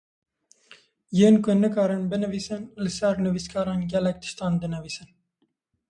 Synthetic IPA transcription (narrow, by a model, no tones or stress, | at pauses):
jeːnkʊnɨkɑːɾɨnbɨnɨviːsɨnlɨsɛɾnɨviskʰɑːɾɑːnɡʲɛlɛk̚t̪ʰɨ̥ʃt̪ɑːnd̪ɨnɨviːsɨn